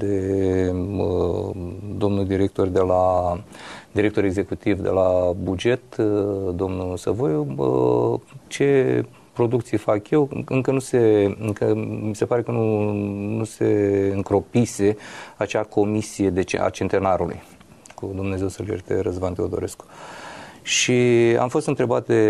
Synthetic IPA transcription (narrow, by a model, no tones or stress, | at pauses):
d̪e | d̪o̞mnuld̪iɾek̚t̪o̞rd̪e̞la | d̪iɾekt̪o̞ɾe̞ɡze̞kut̪ivd̪e̞̰labud͡ʒe̞t̪d̪o̞mnusə̰vojo | t͡ʃe̞ | pɾo̞d̪ukt̪sijfakje̞wɨŋkənuse̞ɨŋkəmise̞paɾe̞kənunuse̞ɨŋkɾo̞pise̞at͡ʃakʰo̞misije̞d̪e̞t͡ʃḛa̰t͡ʃe̞nt̪e̞naɾulṵj | kud̪umne̞ze̞wsəljert̪ḛɾəzbant̪eod̪o̞ɾe̞sk | ʃia̰mfo̞st̪ɨnt̪ɾe̞bat̪̚d̪e̞